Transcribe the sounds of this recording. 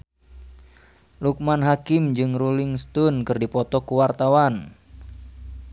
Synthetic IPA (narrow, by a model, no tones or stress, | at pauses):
luk̚manɦakɪmd͡ʒɨŋrulɪŋst̪ɔnkɨrdipɔt̪ɔkuwart̪awan